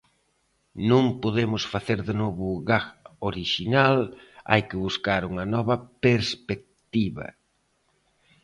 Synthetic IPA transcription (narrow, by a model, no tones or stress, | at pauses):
nõŋpoðemʊsfaθeɾðɪnoβʊɣaɣoɾiʃinala̰jkɪβuskaɾuŋɐnɔβɐpeɾspek̚t̪iβɐ̰